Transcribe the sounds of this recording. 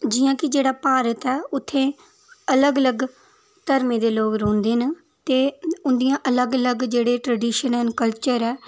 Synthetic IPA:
d͡ʒɪjãːkɪd͡ʒeːɽaːpaːɾət̪ɛːʊt̪ʰːẽː | ələɡələɡ | t̪əɾmẽːd̪eːloːkɾõːnd̪eːnə | t̪eːʊnd̪ijãːʔələɡələɡd͡ʒeːɽeːʈɾəɖiːʃənənkəlt͡ʃəɾɛː

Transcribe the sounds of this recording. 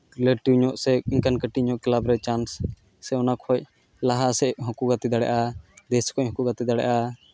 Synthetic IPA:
ɾɛleʈiwɲɔʔsɛiŋkankəʈiɲɔʔklabɾɛt͡ʃansː | ɛɔnakʰɔj | laɦasɛɦɔ̃kuɡat̪id̪aɽɛ̰ʔad̪ɛskʰɔʔɦɔ̃kuɡat̪id̪aɽɛ̰ʔa

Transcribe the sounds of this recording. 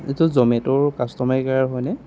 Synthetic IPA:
itʊzɔmɛtʊɹkastɔmaɹikaɹaɹɦɔjnɛ

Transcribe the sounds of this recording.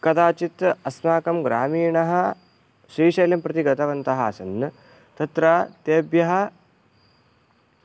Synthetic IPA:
kɐd̪aːt͡ʃit̪ɐsnaːkɐmɡɾaːmiːɳɐɦɐ̆ | ʃɾiːʃɐjljɐmpɾɐt̪iɡɐt̪ɐʋɐnt̪ɐɦɐːsɐnː | t̪ɐt̪ɾaːt̪eːbjɐɦɐ

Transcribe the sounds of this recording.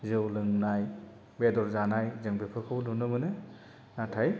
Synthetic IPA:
zɯwlɯŋnaj | bedɔɾzanajzɯŋbepʰɯkʰɯwdunɯmɯnɯ | natʰaj

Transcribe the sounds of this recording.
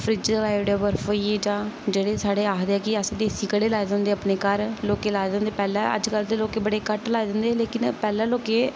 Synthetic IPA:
pʰɾɪd͡ʒəɾaːjʋɖeːbəɾfoːiːeːd͡ʒãːd͡ʒeːɽeːsaːɽeːaːkd̪eːɛːkɪəsːd̪eːsiːkəɽeːlaːjd̪ə̃ːnd̪eːaːpneːkəɾloːkeːlaːd̪ə̃nd̪eːpɛːlãːə̰d͡ʒkəld̪eːloːkeːbəɽeːkəʈlaːed̪ə̃nd̪eːleːkɪnpɛːlãːloːkeː

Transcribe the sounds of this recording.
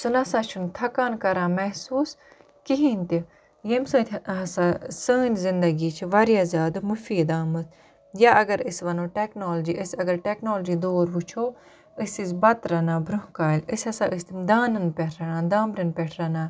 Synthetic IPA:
sunɐsaːt͡ʃʰunt̪ʰɐkaːnkɐɾãːmɛsuːs | kiɦint̪i | jemsə̃ːt̪ʰɦɐsasəːnzɪnd̪əɡiːt͡ʃʰʋaɾjaːzʲaːd̪mʊfiːd̪aːmɐt̪ | jaːʔɐɡəɾisʋɐnõːʈeːknoːld͡ʒiːʔəsɐɡəɾʈɛːknoːld͡ʒiːd̪oːɾʋut͡ʃʰoː | isisbɐt̪ɾaːnaːbɾʊɦkaːləsɐsaːʔist̪d̪aːnɐnpɛʈʰɾanaːd̪aːmɾɐnpɛʈʰɾaːnaː

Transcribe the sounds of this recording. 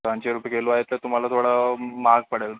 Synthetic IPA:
pãɲt͡ɕeɾupekeluaɦet̪ːəɾt̪um̤alat̪ʰoɽamaɡ̚pəɽəl

